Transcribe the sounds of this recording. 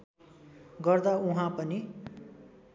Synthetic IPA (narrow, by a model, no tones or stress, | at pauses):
ɡʌrd̪auɦãpʌni